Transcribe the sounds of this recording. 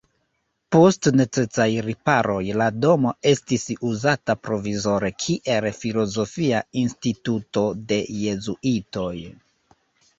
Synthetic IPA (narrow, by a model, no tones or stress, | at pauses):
po̞stne̞t͡se̞t͡sajɾipaɾʔo̞jlado̞mo̞e̞stisuzatapɾo̞vizo̞ɾe̞kʰiʔe̞lfilo̞zo̞fiainstituto̞de̞je̞zuʔito̞j